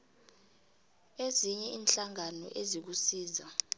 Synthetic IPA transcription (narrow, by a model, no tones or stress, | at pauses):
eziɲɛʔiːnɬaŋanɔ̰ʔezik̬usiːza